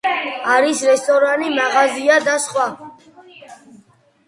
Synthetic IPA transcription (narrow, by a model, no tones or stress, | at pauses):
aɾisɾɛst̪ʼɔɾanimaʁaziad̪asχwa